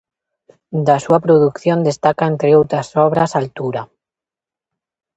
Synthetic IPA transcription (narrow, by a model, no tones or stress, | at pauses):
d̪asuapɾoðukθjond̪est̪akaent̪ɾeowt̪ɾasɔβɾasalt̪uɾa